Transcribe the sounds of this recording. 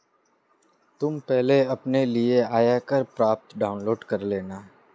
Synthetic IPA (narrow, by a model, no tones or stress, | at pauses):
t̪ʊmpɛɦleɐpnelieaːjakəɾpɾaːp̚t̪ɖaːʊnloːɖkɐɾleːnaː